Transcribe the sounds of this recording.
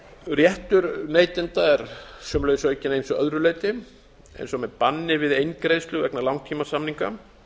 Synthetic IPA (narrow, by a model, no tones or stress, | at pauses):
rjɛht̪ʏɾneːjt̪ɪnt̪aɛɾsœːmlœjsɔœjcːɪnejnsɔœðɾʏleːjt̪ɪ | ɛ̰jnsɔmɛðpanːɪvɪðejnkɾejðst̪lʏɣvɛknalawŋcʰimasamniŋka